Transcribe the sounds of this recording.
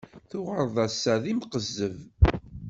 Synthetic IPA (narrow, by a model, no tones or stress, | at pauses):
θʊʁəɾˤðˤæsːæðimqəzːəv